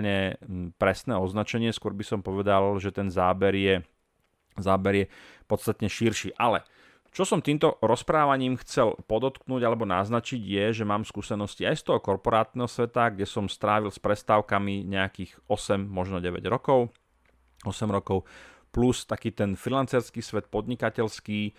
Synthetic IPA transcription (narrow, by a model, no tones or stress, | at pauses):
ɲɛpɾɛsnɛːɔznat͡ʃɛɲɪɛskʊɔɾbisɔmpɔʋɛd̪alʒɛt̪ɛnzaːbɛɾjɛ | zaːbɛɾjɛpɔt̪st̪at̪ɲɛʃiɾʃiːʔalɛ | t͡ʃɔsɔmt̪iːmt̪ɔɾɔspɾaːʋaɲiːmxt͡sɛlpɔd̪ɔt̪knuːɟalɛbɔnaznat͡ʃiɟjɛʒɛmaːmskuːsɛnɔsciajst̪ɔɦɔkɔɾpɔɾaːt̪nɛɦɔsʋɛt̪aɡɟɛsɔmst̪ɾaːʋilspɾɛst̪aːʊkamiɲɛakiːɣɔsɛmːɔʒnɔɟɛʋɛ̰ɟɾɔkɔʊ | ɔsɛmɾɔkɔʊ | plust̪akiːt̪ɛnfilant͡sɛɾskiːsʋɛt̪̚pɔd̪ɲikacɛlskiː